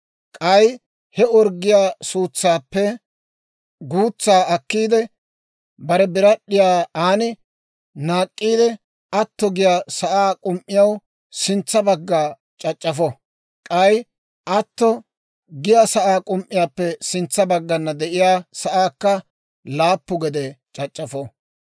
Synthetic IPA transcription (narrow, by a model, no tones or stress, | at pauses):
kʼɐj | hɛɔɾɡːɪjaːsuːt͡sːaːpːɛ | ɡuːt͡sːaːɐkːiːd̪ɛ | bɐɾɛbɪɾɐɗɪjaːaːnɪ | naːkʼːiːd̪ɛ | ɐt̪ːɔɡɪjaːsɐʔaːkʼʊmʔːɪjɐw | sɪnt͡sːɐbɐɡːaː | t͡ʃʼɐt͡ʃʼːɐfɔ | kʼɐj | ʔɐt̪ːɔ | ɡɪjasɐʔaːkʼʊmʔːɪjaːpːɛsɪnt͡sːɐbɐɡːɐnːɐd̪ɛʔɪjaːsɐʔaːkːɐ | laːpːʊɡɛd̪ɛt͡ʃʼɐt͡ʃʼːɐfɔ